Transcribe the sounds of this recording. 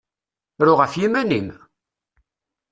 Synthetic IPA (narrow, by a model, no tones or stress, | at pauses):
ɾʊʁəfjimænim